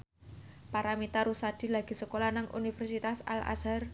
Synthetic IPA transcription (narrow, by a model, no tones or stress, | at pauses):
paɾamit̪aɾusad̪̥i̤laɡ̥i̤səkolanaŋʔṵnifɛrsit̪asa̰la̰sar